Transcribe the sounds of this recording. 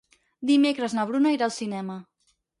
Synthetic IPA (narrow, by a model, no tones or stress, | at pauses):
d̪imekɾəznəβ̞ɾunaiɾalˠsinɛmə